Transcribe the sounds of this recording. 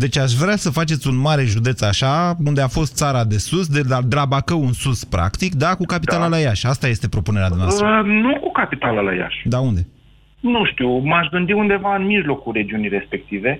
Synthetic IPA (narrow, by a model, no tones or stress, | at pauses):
d̪e̞t͡ʃaʃ̬vɾeasəfat͡ʃe̞t̪sʲunmaɾe̞ʒud̪e̞t̪saʃaund̪eafo̞st̪t̪saɾad̪e̞susd̪ead̪elabakəwunsuspɾa̰kt̪ik̚d̪akukapit̪alalajaʃast̪aje̞st̪e̞pɾo̞pune̞ɾead̪nsnukukapit̪alala̰ja̰ʃd̪aund̪e̞ | nuʃt̪iwmaʃɡɨnd̪iund̪e̞vaɨnmiʒlo̞kulre̞d͡ʒiunijɾe̞spe̞k̚t̪ive̞